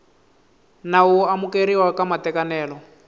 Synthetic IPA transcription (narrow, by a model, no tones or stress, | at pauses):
nawuamukeɾiwakamatɛkanɛːlɔ